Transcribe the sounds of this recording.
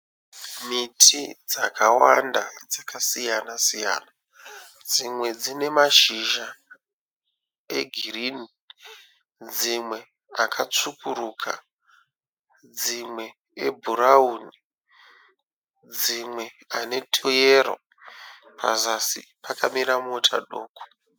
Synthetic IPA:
mitʰid͡zakʰawandad͡zakasijanasija̰ːna | d͡zimwe̞d͡zine̞maʃiʒa | eɡʱirini | d͡zimwe̞ | akʰat͡sukuɾukʰa | d͡zimwe̞ | ebʱurauni | d͡zimwe̞ | ane̞tʰojeɾo̰ | pʰa̰zasḭpʰakamiɾamotʰa̰ɗo̰ːko̥

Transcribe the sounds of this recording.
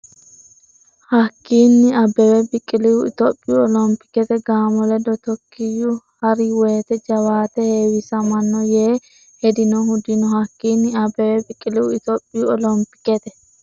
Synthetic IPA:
hɐkːiːnːɪɐbɛwɛbɪkʼːɪlɪwʊɪt̪opʼːɪjuɔlɔmpːɪ̥kɛt̪ɛɡaːmɔlɛd̪ɔt̪ɔkʰːɪjʊ | hɐɾɪweːt̪ɛd͡ʒɐwaːt̪ɛheːwɪsɐmɐnːɔjeː | hɛd̪ɪnɔhʊd̪ɪnɔhɐkːiːnːɪɐbɛwɛbɪkʼːɪlɪwʊɪt̪opʼːɪjuɔlɔmpɪ̥kːɛt̪ɛ

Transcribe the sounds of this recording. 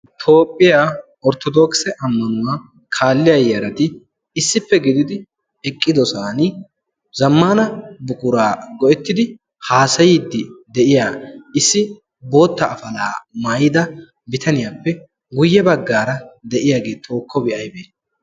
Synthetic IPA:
t̪ʰo̞ːpʼːɪja | ɔɾt̪ɔd̪ɔksɛʔɐmːɐnʊwɐ | kʰaːlːɪjɐjːɐɾɐt̪ɪː | sːɪpːɛɡɪd̪ɪd̪ɪ | ɛkʼːɪd̪ɔsaːnɪ | zɐmːaːnɐbʊkʼʊɾaːɡɔʔɛt̪ːɪd̪ɪ | haːsɐjɪd̪ːɪd̪ɛʔɪjaːɪsːɪ | bo̞ːt̪ːɐːfɐlaːmaːjɪd̪ɐ | bɪt̪ʰɐnɪjaːpːɛ | ɡʊjːɛbɐɡːaːɾɐd̪ɛʔɪjaːɡeːt̪ʰo̞ːkːɔbɪʔɐjbeː

